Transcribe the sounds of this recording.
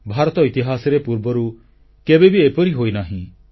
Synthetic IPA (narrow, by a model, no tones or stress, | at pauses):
bʱaːɾt̪ɔɪt̪ɪɦaːsɾepuɾbəɾu | kebebʱieːpoɾiɦoːinaːɦĩ